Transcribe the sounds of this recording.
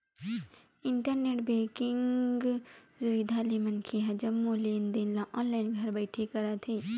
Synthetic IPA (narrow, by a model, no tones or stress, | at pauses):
ɪɳʈəɾneːʈbeːkɪŋɡzʊʋiːd̪ʱalemɐnkʰeɦɐd͡ʒɐmːoleːnd̪eːnlãʔɔ̃ːnlaːɪnɡʱɐɾbɐɪʈʰekɐɾat̪ʰeː